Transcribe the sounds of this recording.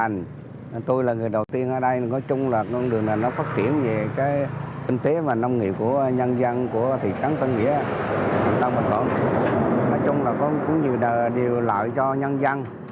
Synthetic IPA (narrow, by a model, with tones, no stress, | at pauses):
a˨˩ŋ̟˨ | t̪o˧jlaː˨˩ŋɨ˨˩əjɗə˨˩wt̪i˧ənʔəː˧˩ɗə˧jnɔ˨˦t͡ɕʊ˧ŋ͡mlaː˨˩kɗɨ˨˩əŋnaː˨˩nɔ˨˦faː˦˥t̚t͡ɕi˧˩˨ənve˨˩kaː˨˦jkï˧ŋ̟t̪e˨˦vaː˨˩na˧wŋ͡mŋḭ˧˨əp̚ku˧˩əɲə˧nza˧ŋku˧˩ət̪ʰḭ˧˨t͡ɕa˨˦ŋt̪ə˧nŋḭ˧˥ə˨t̪ʰi˨˩t̪a˧wŋ͡mmï˨˩ŋvə̰˧˩n | nɔ˨˦jt͡ɕʊ˧ŋ͡mlaː˨˩kɔ˨˦kʊ̰˧˥ŋ͡mɲḭ˧˨ɗəː˨˩ɗi˨˩wla̰ː˧˨jt͡ɕɔ˧ɲə˧nza˧ŋ